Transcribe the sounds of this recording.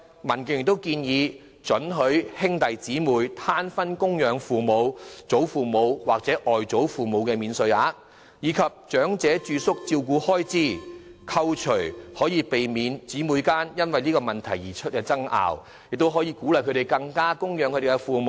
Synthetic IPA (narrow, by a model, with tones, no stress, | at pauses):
mɐ˨˩nkɪ˨˧ŋjɪ˨˩t̪o˥wkiː˧njiː˨˧ | t͡ʃɵ˨˥nɦɵ˨˥ɥhɪ˥ŋt̪ɐ˨jt͡siː˨˥muː˨˧jt̪ʰaː˥nfɐ˥nkʊ˥ŋjœː˨˧ŋfuː˨mo˨˧wt͡so˨˥wfuː˨˩mo˨˧wwa̰ː˨˩k̚t͡sɛː˨˥ʔɔː˨jt͡so˨˥wfuː˨mo˨˧wkɛː˧miː˨˧nsɵ˨˧ɥaː˨˧˥ | jiː˨˧kʰɐ˨p̚t͡ʃœː˨˥ŋt͡sɛː˨˥t͡ʃyː˧sʊ˥k̚t͡siː˧wkuː˨˧hɔː˥jt͡siː˥˩kʰɐ˧wt͡ʃʰɵ˨˩ɥhɔː˨˥jiː˨˧pe˨jmiː˨˧nt͡siː˨˥muː˨˧jkaː˥njɐ˥nwɐ˨jliː˥kɔː˧mɐ˨˩nt̪ʰɐ˨˩jiː˨˩t͡ʃʰɵ˥t̚kɛː˧t͡sɐ˥ŋa̰ː˨w | jɪ˨k̚t̪o˥wɦɔ˨˥jiː˨˧kuː˨˥lɐ˨˩jkʰɵ˨˧t̪e˨˩jkɐ˧ŋkaː˥kʊ˥ŋjœː˨˥ŋkʰɵ˧t̪e˨˩kːɛ˧fuː˨mo˨˧